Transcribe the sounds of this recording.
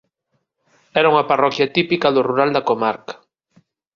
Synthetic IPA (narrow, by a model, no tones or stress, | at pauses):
ɛɾauŋɐparɔkjat̪ipikaðʊruɾald̪akomaɾkḁ